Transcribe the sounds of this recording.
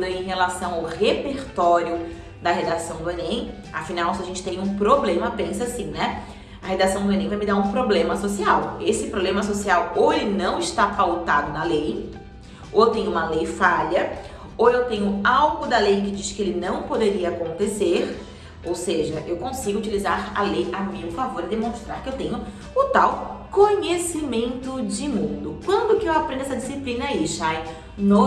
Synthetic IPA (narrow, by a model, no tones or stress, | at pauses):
d̪ẽj̃ɦelasɐ̃w̃aʊhepeɾt̪ɔɾjʊ | d̪ɐhed̪asɐ̃w̃d̪ʊenẽj̃ | ɐfinawsɪaʒẽt͡ʃɪ̥t̪ẽj̃ũpɾoblẽmɐpẽsasĩnɛ | ɐhed̪asɐ̃w̃d̪ʊẽnẽj̃vajmɪd̪aũpɾoblẽmɐsosiawesɪpɾoblẽmɐsosiawowelɪnɐ̃w̃ɪʃt̪afawt̪ad̪ʊnɐlej | oewt̪ẽjɲʊũmɐlejfaʎɐ | owewt̪ẽɲʊawɡʊd̪ɐlejkɪd͡ʒiʃkɪelɪnɐ̃w̃pod̪eɾiɐːkõnt̪eseɾ | owseʒɐʔewkõsiɡʊut͡ʃilizaɾɐ̰lejamĩʊfavoɾɪd̪emõst̪ɾaɾkɪewt̪ẽɲʊ | ʊt̪awkoɲesimẽnt̪ʊd͡ʒɪmũd̪ʊkwɐ̃nd̪ʊkɪewapɾẽnd̪ʊɛsɐd͡ʒisiplĩnɐaiʃaj | no